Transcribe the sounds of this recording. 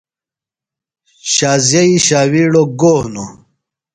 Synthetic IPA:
ɕaːzjɐiɕaːwiːɽoɡoːhno

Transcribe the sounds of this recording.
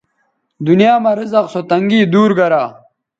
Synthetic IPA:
d̪unijaːmɐɾizɐqsot̪ɐŋɡiːd̪uːɾɡɐɾaː

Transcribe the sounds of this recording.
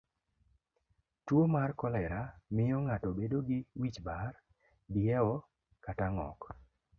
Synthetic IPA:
twomarkɔlɛɾamɪjɔŋatɔbedoɡɪwit͡ʃbar | dɪɛwɔ | kataŋɔ̰k

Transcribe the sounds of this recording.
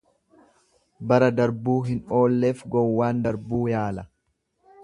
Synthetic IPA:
bɐɾɐd̪ɐɾbuːɦɪno̞ːlːe̞ːfɡɔwːaːnd̪ɐɾbuːjaːlɐ

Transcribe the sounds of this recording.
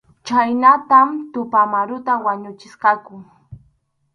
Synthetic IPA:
t͡ʃajnat̪amt̪ʊpamaɾʊt̪awaɲʊt͡ʃɪsqɑkʊŋ

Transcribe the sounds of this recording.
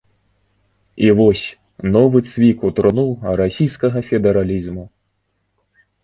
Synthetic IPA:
ivɔsʲ | nɔvɨt̪svʲikut̪ɾɔnuɾasʲijskɐɣɐfʲɛd̪ɛɾalʲizmu

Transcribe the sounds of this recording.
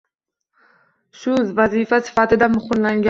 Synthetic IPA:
sʊzvazifasɪ̥fat̪ɪd̪amʊχɪnlaŋɡʲa

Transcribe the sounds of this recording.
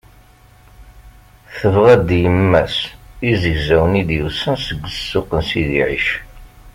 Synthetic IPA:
θəvʁæd̪jəmːæsizəʝzæwənid̪jəwsənsəɡʷːəsːʊqənsiðḭʕḭʃ

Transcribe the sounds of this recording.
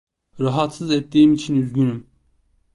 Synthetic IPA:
ɾɑɦɑt̪sɯzɛt̪ːiːimit͡ʃʰinyzɟynym

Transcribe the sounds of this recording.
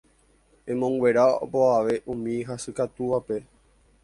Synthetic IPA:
ẽmõ̞ŋɡwe̞ɾao̰boaʋe̞ʔũmĩɦasɨkat̪uʋape

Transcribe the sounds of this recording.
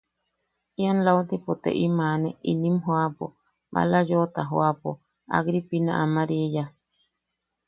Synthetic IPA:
ianlawt̪ipot̪ḛʔimaneʔinimɦoapo | ba̰lajot̪aɦoapo̰ | a̰ɣɾipina̰ʔamaɾiejas

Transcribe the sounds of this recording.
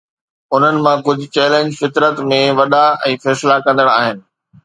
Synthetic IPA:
ʊn̤ənɪ̆mãkʊd͡ʑ̆ʱt͡ɕɛːlẽːɲd͡ʑfɪt̪ɾət̪mẽʋɐɗaɛ̃ːfɛːslakɐ̃nd̪əɽaːɦɪnɪ̆

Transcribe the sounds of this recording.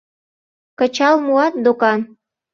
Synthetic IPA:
kə̆t͡ɕɑlmuɑt̪̚d̪okɑn

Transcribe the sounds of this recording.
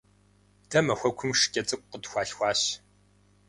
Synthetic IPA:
d̥ɐmɐxʷɐkʷʰʊmʂkʲʼɐt͡sʼɨkʷʼqətxʷɑːɬxʷɑːɕ

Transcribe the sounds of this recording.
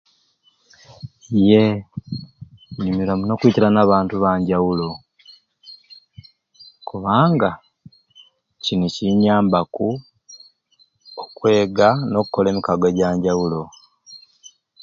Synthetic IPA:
je̞ | ɲumiɾamuno̞kwiːciɾanaːβaːntuβaːɲɟawulo̞ | kuβaːŋɡa | ciniciɲaːmbaku | okwe̞ːɡano̞kukːole̞ːmikaɡaɟaːɲɟawulo̞

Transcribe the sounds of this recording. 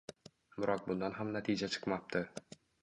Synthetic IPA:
bʊɾɒq̚bʊnd̪ɑnɦamnat̪ʰid͡ʒat͡ʃʰɨ̥qmɑp̚t̪ʰɪ

